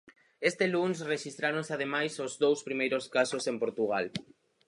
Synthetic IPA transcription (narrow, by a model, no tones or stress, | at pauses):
est̪elunsreʃist̪ɾaɾonseaðemajsozðowspɾimejɾoskasosempoɾt̪uɣ̞al